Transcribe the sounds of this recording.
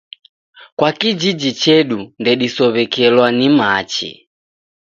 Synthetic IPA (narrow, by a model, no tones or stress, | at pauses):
kwakid͡ʒid͡ʒit͡ʃɛɗundɛɗisɔβɛkɛlwanimat͡ʃḭ